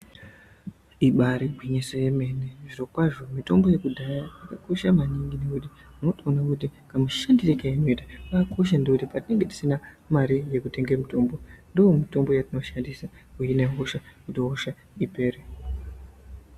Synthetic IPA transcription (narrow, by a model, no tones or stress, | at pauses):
iɓaɾiɡʱwiɲisojeme̞neʐiro̞kwaʐomito̞mbo̞je̞kudʱajaakako̞ʃamaniŋɡine̞kuti | uno̞toonakut̬ikamuʃandirekaino̞itaakako̞ʃ̬andekutipatine̞ŋɡe̞ti̥sina | maɾije̞kute̞ŋɡemito̞mbo̞ndoomito̞mbo̞jatino̞ʃandisaujine̞ɦoʃakutoːʃa | ipe̞ːɾe